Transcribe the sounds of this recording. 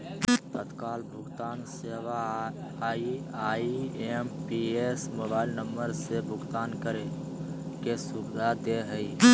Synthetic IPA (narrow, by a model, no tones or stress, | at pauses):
t̪ət̪kaːlbʱʊɡt̪aːnseʋa | iaiempiesmoːbaːɪlnəmbəɾsebʱʊɡt̪aːnkəɾe | kesubɪd̪ʱad̪eɦəi